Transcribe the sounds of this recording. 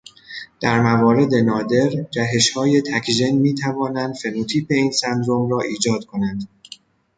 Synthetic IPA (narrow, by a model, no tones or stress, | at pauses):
d̪̥æɾmævɒːɾe̞d̪e̞nɒːd̪e̞ɾd͡ʒæɦe̞ʃhɒːje̞t̪ʰækʰʒe̞nmiːt̪ʰævɒːnænd̪̥fe̞nut̪ʰiːpe̞iːnsænd̪ɾomɾɒːʔiːd͡ʒɒːd̪̥kʰo̞nænd̪